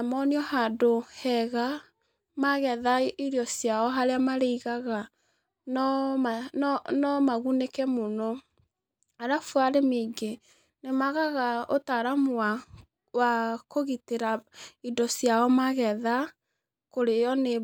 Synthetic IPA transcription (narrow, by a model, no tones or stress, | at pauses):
amɔniɔhadohɛɣa | maɣɛðaiɾiɔsjaɔɦaɾeamaɾeiɣaɣa | nɔanɔmaɣunekɛmonɔ | aɾafwaɾemiɡe | nemaɣaɣaotaɾamowa | wakoɣiteɾaidɔsjaɔmaɣɛða | koɾejɔne